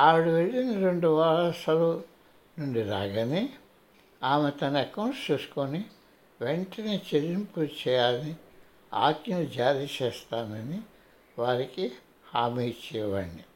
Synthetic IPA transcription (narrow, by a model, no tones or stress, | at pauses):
aːʋiɽiʋelːinɐɾeɳɖuʋaːɭɐsɐlu | nuɳɖiɾaːɡɐni | aːmet̪ɐnɐɐkɐwnst͡ʃuːsu̥koni | ʋe̞ɳʈɐne̞ːt͡ʃeɾimput͡ʃɛːjaːlɐni | a̰ːkjɐnud͡ʒaːɾit͡ʃɛːst̪aːnɐni | ʋaːɾiki | haːmiːt͡ʃɛːjʋɐɳɖi